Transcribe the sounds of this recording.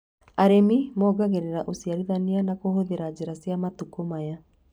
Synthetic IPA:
aɾemimɔːɡaɣeɾeɾaʔosiaɾiðanianakoɦoðeɾad͡ʑeɾasjamatukomaja

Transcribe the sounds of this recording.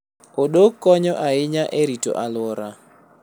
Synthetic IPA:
oɗokːɔɲɔʔaɪɲaʔeɾito̰ʔalwɔɾa

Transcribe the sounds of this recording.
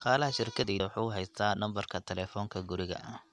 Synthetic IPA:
qɑːlɐɦɐʃɪrkʰɐðɛːwʊħuːʊɦɛjst̪ʰaːnɐmbɐrkʰɐt̪ʰɛlɛːfɔːŋkʰɐɡʊɾɪɣɐ̰ʔ

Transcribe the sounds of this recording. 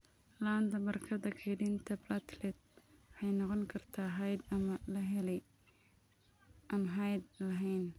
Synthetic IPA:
laːnd̪ɐbɐrkʰɐðɐkʰɛjɖint̪ʰɐblat̪lɛd̪̚ħɑjnɔqɔŋkʰɐrt̪ʰaːɦɛjd̪ɐmɐlɐɦɛlɛj | ʔɐmɦajd̪̚lɐɦɛjn

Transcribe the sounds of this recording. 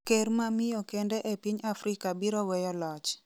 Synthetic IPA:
keɾmamɪjɔkɛndɛʔɛpiɲafɾɪkabiɾɔwɛjɔlɔt͡ʃ

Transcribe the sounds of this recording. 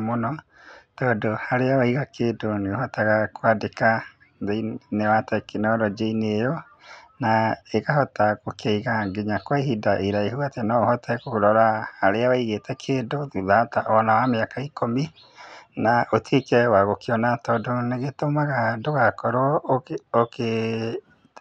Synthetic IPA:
monɔ | tɔːdohaɾeawaiɣakʰedoneohɔtaɣakwadeka | ðeinewatɛkenɔɾɔd͡ʒeinejɔ | naeɣahɔtaɣokaiɣaŋɡeɲakwaihidaʔeɾaehuatɛnaohɔtʰɛkoɾɔɾaːɾeawaiɣetɛkʰeːdouðataʔɔnawameakaikʰomi | naʔotiekɛwaɣokeɔnatɔdoneɣetomaɣadoɣakɔɾoɔoke

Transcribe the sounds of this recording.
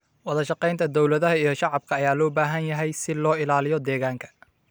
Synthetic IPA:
wɑðɐʃɑqɛjnt̪ʰɐd̪ɔwlɐðɐɦɐijɞʃɑʕɑb̚kʰɐːjaːlɔːbaːɦɐnjɐɦɛjsɪlɔːɪlaːlɪjɔd̪ɛːɣaːŋkʰɐ̥

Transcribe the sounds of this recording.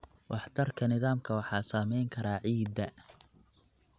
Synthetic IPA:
wʔɑħt̪ʰɐrkʰɐnɪðaːmkʰɐwɑħɑːsaːmɛjŋkʰɐɾaːʕiːd̪ɐ

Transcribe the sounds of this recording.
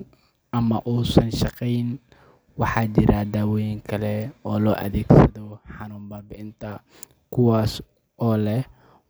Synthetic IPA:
ʔɐmɐʔuːsɐnʃɑqɛjn | wɑħɑːd͡ʒɪɾaːd̪aːwɔjɪŋkʰɐlɛɔːlɔːʔɐ̰ðɛːɡsɐðɔħɑnuːmbaːbɪɪnt̪ʰɐ | kʰʊwaːs | ʔɔːlɛ

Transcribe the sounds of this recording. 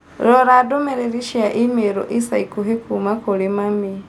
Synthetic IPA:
ɾoɾadomeɾeɾiʃiaʔimeɾo̰ʔisaikuɦekumakoɾimami

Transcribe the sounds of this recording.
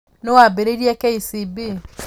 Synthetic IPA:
newabeɾeiɾiekeisibi

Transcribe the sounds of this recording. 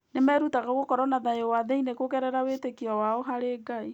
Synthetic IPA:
nemɛːɾutaɣaɣokɔɾɔnaðaewaðɛinekokɛɾɛɾawetekiɔwaɔɦaɾeːɡai

